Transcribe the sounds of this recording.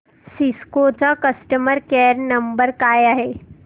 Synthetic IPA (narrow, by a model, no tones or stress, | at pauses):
siskot͡sakɐsʈəməɾkeɾnɐmbəɾkaːjaɦe